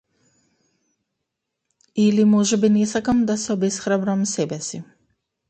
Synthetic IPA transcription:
ilimɔʒɛbinɛsakamd̪asɛɔbɛsxɾabɾamsɛbɛsi

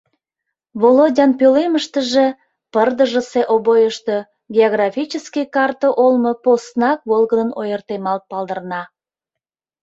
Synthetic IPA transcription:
βolodʲɑnpøleməʃt̪əʒe̽ | pərd̪əʒəseʔobojəʃt̪ə̽ | ɡʲeoɣrɑfʲit͡ɕəskikɑrt̪oʔolmoposnɑk̚βolɣənənojərt̪emɑlt̪̚pɑld̪ərnɑ

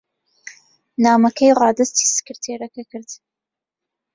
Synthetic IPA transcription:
naːmɐkʰɐjʁɑːd̪ɐst̪i̥ːsɨ̥kɨɾt̪ʰeːɾɐkɐkʰɨɾd̪̥

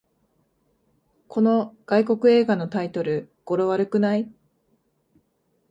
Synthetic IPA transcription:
kʰo̞no̞ɡ̥aiko̞kɯ̟e̞ːɡano̞t̪ait̪o̞ɾɯ̟ɡ̥o̞ɾo̞βaɾɯ̟kɯ̟nai

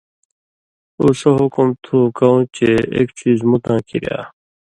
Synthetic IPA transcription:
usoɦukumt̪ʰuːkaũːt͡ɕeḛːkt͡ɕiːzmut̪ãːkḭɾja̰ː

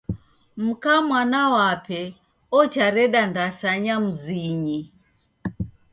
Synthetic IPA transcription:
m̩kamwanawapɛ | ɔt͡ʃaɾɛɗandasaɲam̩ziɲi

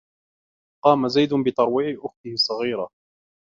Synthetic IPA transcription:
qɑːmazajd̪ʊnbɪt̪ɑɾˤwiːʕɪʔʊxt̪ɪhɪsˤːɑɣiːɾa

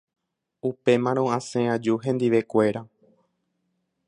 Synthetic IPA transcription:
upe̞mãɾ̃õãsẽãd͡ʒuɦẽ̞nd̪iʋe̞kʷe̞ɾa

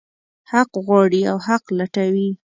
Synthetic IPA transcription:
haqɣwɑɽiawhaqlaʈawi

